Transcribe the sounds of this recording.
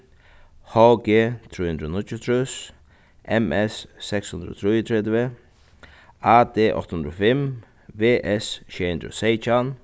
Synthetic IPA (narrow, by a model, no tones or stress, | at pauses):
hɔɡeːt̪ʰɾiːhʉnd̪ɾonɪc̪ːʊt̪ʰɾʉs | ʔɛmɛsːɛkshʉnd̪ɾəo̰ːt̪ʰɾiːt̪ʰɾɛd̪və | aːd̪eːʔɔ̰t̪hʉnd̪ɾofɛm | veːʔɛsʃɛhʉnd̪ɾo̰sɛjt͡ʃan